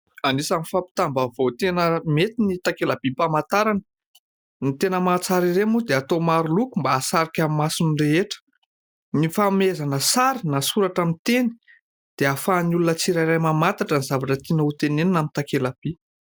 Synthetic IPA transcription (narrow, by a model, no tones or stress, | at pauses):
anisamifapi̥t̪ambavot̪enəmet̪init̪akelab̥ipamat̪aɾanə̥ | nit̪enəmat͡saɾiɾemud̪eat̪omaɾulukumbaːsaɾikʲamimasinreeʈ͡ʂə̥ | nifamezanəsaɾinasuɾaʈ͡ʂamit̪eni̥ | d̪̥eafanulunət͡siɾajrajmamat̪aʈ͡ʂənizavaʈ͡ʂət̪inəut̪eneninamint̪akelab̥i